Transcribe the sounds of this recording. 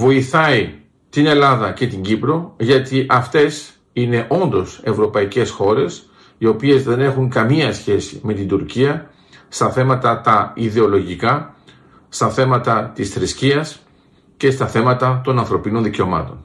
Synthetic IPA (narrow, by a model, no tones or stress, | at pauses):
vo̞iθɐi | t̪ine̞lɐðɐce̞t̪iɲɟipɾo̞ʝɐt̪iʔɐft̪e̞s | ine̞ʔo̞nd̪o̞se̞vɾo̞pɐice̞sxo̞ɾe̞s | io̞pie̞zðe̞ne̞xuŋkɐmiɐsçe̞sḭme̞t̪ind̪uɾciɐ | st̪ɐθe̞mɐt̪ɐt̪ɐiðe̞o̞lo̞ʝikɐ | st̪ɐθe̞mɐt̪ɐt̪isθɾisciɐs | ce̞st̪ɐθe̞mɐt̪ɐt̪o̞nɐnθɾo̞pino̞nðice̞o̞mɐ̰t̪o̞n